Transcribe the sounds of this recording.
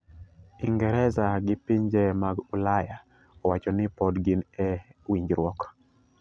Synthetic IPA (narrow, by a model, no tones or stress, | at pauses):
iŋɡɛɾɛzaɡɪpiɲd͡ʒɛmaɡulaja | ɔwat͡ʃɔnɪpɔdɡinɛwiɲd͡ʒɾwɔk